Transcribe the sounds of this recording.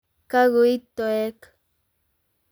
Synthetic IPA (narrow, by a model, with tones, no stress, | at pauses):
ka˦ɣu˨i˦t̪o˨e˦k